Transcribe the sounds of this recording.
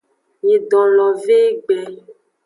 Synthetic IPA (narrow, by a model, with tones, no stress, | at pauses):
je˨ɖɔ̃˨lɔ˨ve˦ɡ͡blɛ˨